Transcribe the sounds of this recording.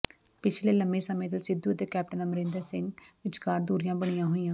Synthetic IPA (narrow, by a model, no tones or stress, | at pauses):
pɪt͡ʃʰleːləmbẽːsəmẽːt̪̬õːsɪd̪uːət̪eːkɛːp̚ʈənəməɾẽːnd̪əɾsɪŋɡʋɪt͡ʃkaːɾd̪uːɾijãːbəɽ̃ijãːɦoːijãː